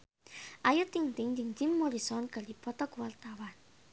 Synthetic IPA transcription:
ajut̪iŋt̪ɪŋd͡ʒiŋd͡ʒimːoɾisɔnɡ̥a̤lipɔt̪ɔkwart̪awan

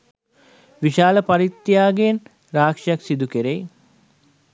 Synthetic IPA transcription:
ʋiʃaːləpaɾit̪ːjaːɡen | raːkʂijaksid̪ukeɾej

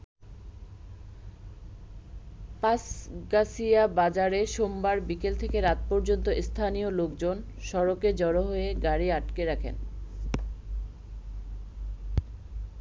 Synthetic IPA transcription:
pasɡasiabad͡ʑaɾeʃombaɾbikelt̪ʰekeɾat̪̚pɔɾd͡ʑont̪oʔist̪ʰanijolokd͡ʑon | ʃɔɾoked͡ʑɔɾoɦoeɡaɾiaʈkeɾakʰḛn

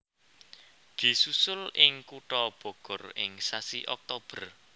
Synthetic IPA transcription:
d̪̥i̤susʊlɪŋkuʈɔb̥ɔ̤ɡ̥ɔ̤rɪŋsasiʔɔk̚t̪ob̥ə̤r

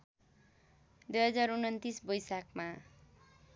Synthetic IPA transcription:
d̪ujɦʌd͡zaɾunʌnt̪isbʌjsakma

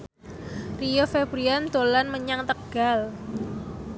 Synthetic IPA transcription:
riofebɾiand̪olanməɲaŋt̪əɡ̥al

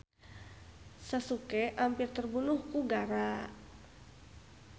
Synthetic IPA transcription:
sasukɛʔampirt̪ərbunuhkuɡaɾa

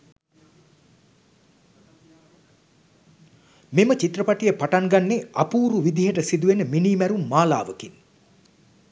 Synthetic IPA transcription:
memət͡ʃit̪rəpaʈijəpaʈaŋɡanːeapuːɾuʋid̪iɦəʈəsid̪uʋenəminiːmæɾumːaːla̰ːʋəkin

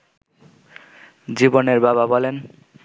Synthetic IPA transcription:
d͡ʑiboneɾbaβabɔlen

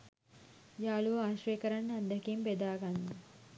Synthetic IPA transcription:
jaːluʋəaːʃrɐjəkəɾanːand̪ɐkimbed̪aːɡanːu

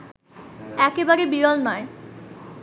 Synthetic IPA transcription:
ɛkebaɾebiɾɔlnɔe

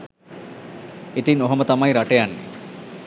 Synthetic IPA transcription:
it̪inoɦɐmɐt̪ɐmajɾɐʈejanːḭ

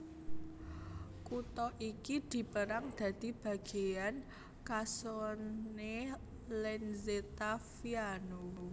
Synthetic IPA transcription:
kut̪ɔʔikid̪̥i̤pəɾaŋd̪̥ä̤d̪̥i̤b̥a̤ɡ̥e̤jan | kasonne | lɛnzet̪afiano

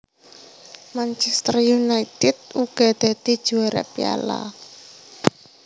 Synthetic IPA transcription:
mant͡ʃɛst̪ərjunait̪ɪd̪̚uɡ̥a̤d̪̥a̤d̪̥i̤d̥ʒ̥uaɾa̰pia̰la̰

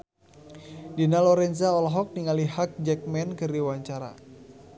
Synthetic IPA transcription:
dinalɔɾɛnsaɔlɔɦɔk̚niŋalihak̚d͡ʒɛk̚mɛnkɨrdiwaɲt͡ʃaɾa̰

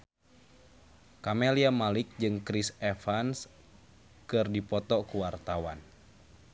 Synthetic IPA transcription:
kameliamalɪk̚d͡ʒɨŋkɾisɛfans | kɨrdipɔt̪ɔkuwart̪awan

